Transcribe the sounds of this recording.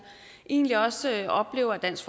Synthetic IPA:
ʔe̝ːnliɒ̽sɒ̽b̥le̝̰ːʊɐd̥æn̰sɡ̥fɒ

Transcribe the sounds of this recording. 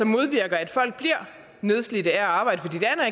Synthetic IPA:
ɒ̽mːo̝ðˠʋiɐ̰ɡ̥ɐæd̥fɒ̽l̰ɡ̥̚b̥liɐ̰ | ne̝ð̞ˠslid̥əæɐɑ̈ːb̥ɑ̈ɪ̰d̥əfɒ̽d̥ḭːd̥eæn

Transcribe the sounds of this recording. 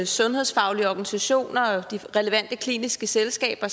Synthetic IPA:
sɔ̽nhe̝ðˠsfɑ̈ʊliəɒɡ̥ænisæɕo̝̰ːnɐɒd̥iʁɛləʋæn̰d̥əkʰlḭːnisɡ̥əselsɡ̥ɛ̰ːb̥ɐ

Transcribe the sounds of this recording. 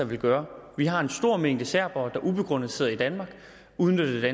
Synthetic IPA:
ɑʋe̝lɡ̥ɶːɐʋiɦɑ̈e̝nsd̥o̝ɐ̰meŋ̰d̥əsæɐ̰b̥ɒd̥ɑ̈ʔub̥e̝ɡ̥ʁɔ̽n̰ð̩ˠse̝̰ːɐid̥ænmɑ̈ːɡ̥ | uðˠnød̥d̥æ

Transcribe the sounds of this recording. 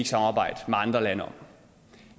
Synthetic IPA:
iɡ̥sɑ̈mɑ̈ːbɑ̈ɪ̰d̥meɑ̈nd̥ʁɐlænəɒ̽m

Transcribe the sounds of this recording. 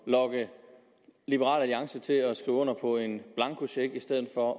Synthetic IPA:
lɒ̽ɡ̥ə | lib̥əʁɑ̰̈ːlæliɑ̈ŋsət͡sʰe̝lɒsɡ̥ʁḭːʊɔ̽n̰ɐpʰɒ̽e̝nb̥lɑ̈ŋkʰuɕeɡ̥isd̥eð̰ˠð̩ˠfɒ̽

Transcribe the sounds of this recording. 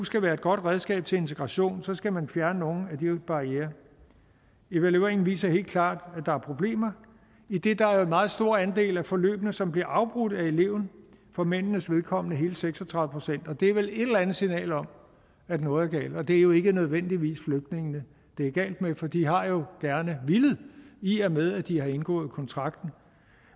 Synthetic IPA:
usɡ̥æʋæːɐe̝d̥ɡ̥ɒ̽d̥ʁɛð̞ˠsɡ̥ɛ̰ːb̥̚t͡sʰe̝le̝nt͡sʰe̝ɡ̥ʁɑ̈ɕo̝̰ːnsɒ̽sɡ̥æmænfjæɐnəno̝ːn̩æd̥ib̥ɑ̈ieːɐ | e̝ʋæluḛɐe̝ŋn̩ʋḭːsɐhe̝̰ːl̥kʰlɑ̰̈ːd̥ædd̥ɑ̈æɐpʰʁob̥le̝̰ːmɐ | id̥e̝d̥ɑ̈æɐjoenmɑ̈ːð̩ˠsd̥o̝ɐænd̥e̝̰ːlæfɒ̽lø̰ːb̥nəsɒ̽mb̥liɐʔɑ̈ʊb̥ʁud̥æe̝le̝ʊn̩fɒ̽men̰nəsʋe̝ðˠkʰɒ̽m̰nəɦe̝ːləseɡ̥sɒt͡sʰʁɑ̈ðˠəpʰo̝sen̰d̥ɒ̽d̥e̝æɐʋele̝ɾ̥ɐlænð̩ˠsinɛ̰ːlɒ̽m | æd̥nɔ̽ːð̩ˠæɐɡ̥ɛ̰ːld̥ɒ̽d̥e̝æɐjo̝e̝ɡ̥ənøð̞ˠʋen̰d̥iʋḭːsfløɡ̥̚d̥ne̝ŋnə | d̥e̝æɐɡ̥ɛ̰ːld̥mefɒ̽d̥iɦɑ̈jo̝ɡ̥æɐnəʋilð̩ˠiæmeð̞ˠæd̥ihɑ̈e̝nɡ̥ɔ̰̽ːð̞̩ˠkʰɒ̽nt͡sʰʁɑ̈ɡ̥̚d̥n̩

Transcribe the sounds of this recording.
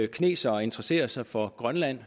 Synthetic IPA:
kʰne̝̰ːsɐɒe̝nd̥ʁɛse̝̰ːɐsɑ̈ɪfɒ̽ɡ̥ʁɶnlæn̰

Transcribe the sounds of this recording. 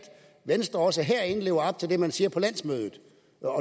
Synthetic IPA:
d̥ | ʋensd̥ʁɐɒ̽s̬əɦeɐ̰e̝nəle̝ːʊɐɒ̽b̥̚t͡sʰe̝ld̥e̝mænsiːɐpʰɒ̽læn̰smøːðˠð̩ˠ | ɒ̽

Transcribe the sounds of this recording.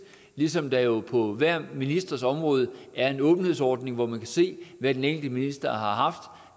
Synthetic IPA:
lisɒ̽md̥æjo̝pʰɒ̽ʋæɐ̰minisd̥ʁɐsɒ̽mʁɔ̽ːð̞ˠəæɐe̝nɔ̽ːb̥n̩he̝ðˠsɒːd̥ne̝ŋʋɒmænkʰæse̝̰ːʋæd̥eneːnld̥əminisd̥ɐɦɑ̈ɦɑ̈fd̥

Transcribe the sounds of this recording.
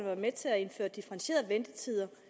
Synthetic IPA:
nəʋɑ̈met͡sʰe̝æe̝nfø̰ːɐd̥ifɐʁɑ̈nɕe̝̰ːɐðˠʋend̥ət͡sʰiðˠɐ

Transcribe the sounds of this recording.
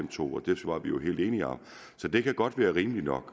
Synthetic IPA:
m̰t͡sʰo̝̰ːɒ̽d̥e̝ʋɑ̈ʋijo̝ɦe̝̰ld̥e̝ːniɒ | sɒ̽d̥e̝kʰæɡ̥ɒ̽d̥ʋæːɐʁiːməlinɒ̽ɡ̥

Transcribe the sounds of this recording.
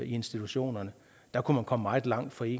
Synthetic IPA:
ie̝nsd̥it͡sʰuɕo̝̰ːnɐnə | d̥ɑ̈kʰumænkʰɒ̽məmɑ̈ːð̩ˠlɑ̈ŋ̰d̥fɒ̽e̝̰

